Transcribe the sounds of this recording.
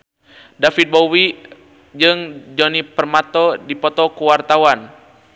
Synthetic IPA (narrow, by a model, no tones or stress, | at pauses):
dafit̪̚bowi | d͡ʒɨŋd͡ʒɔnipərmat̪ɔdipɔt̪ɔkuwart̪awan